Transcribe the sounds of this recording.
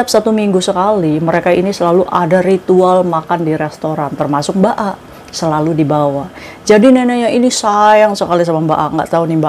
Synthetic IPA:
ap̚sat̪umiŋɡusəkaliməɾekainisəlaluʔadarit̪ualmakandiɾest̪oɾant̪ərmasʊk̚baʔaʔ | səlaludibawa | d͡ʒadineneɲainisajaŋsəkalis̬amambaʔa̰ʔŋɡa̰ʔt̪auniba

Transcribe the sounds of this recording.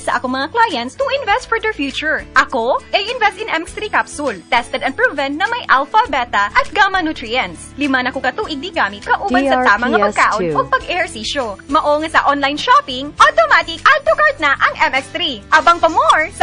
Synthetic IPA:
sɐʔɐkoŋmɐŋaklajɛnst̪ʊʔɪnvɛst̪̚fɔɹd̪ɛɹfjuːt͡ʃʊɹʔɐkoʔɐjʔɪnvɛst̪ɪnʔɛmɛst̪ɾikapsʊlt̪ɛst̪ɛd̪ɐn̚pɹuvɛ̃nnɐmɐjʔalfɐbɛt̪ɐʔɐt̪̚ɡamɐnut̪ɾiɐnslɪmanɐkokɐt̪uːʔɪɡ̚d̪iɡaːmɪt̪̚kɐʔubɐnsɐt̪aːmɐŋːɐpɐkaːʔonʔopɐɡʔɛɹsiʃomɐʔoŋɐsɐʔonlajnʃapɪŋʔot̪omat̪ɪkʔɐt̪ːokaɹt̪̚nɐʔɐŋʔɛmɛkst̪ɾiʔabɐŋpɐmoɹ

